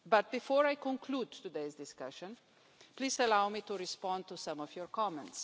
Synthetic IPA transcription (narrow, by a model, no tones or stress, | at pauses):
bat̪̚bifɔɾajkɔ̃ŋkʰluːd̪t̪ud̪eɪzd̪ɪskaʃə̃n | pliːzəlawmit̪uɾispɔ̃nd̪t̪usãmɔfjɔɹkɔmɛ̃nts